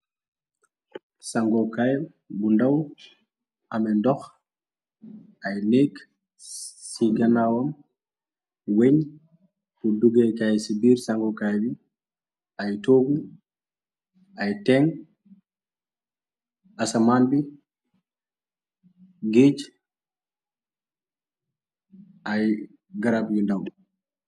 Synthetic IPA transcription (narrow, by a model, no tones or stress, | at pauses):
saŋɡɔkaj | bundaw | ʔamɛndɔx | ʔajnek | siɡanawɔm | weɲ | kuduɡekajsibiːɾsaŋɡɔkajbi | ʔajtoɡu | ʔajtɛŋ | asamanbi | ɡed͡ʒ | ʔaj | ɡaɾabjundaw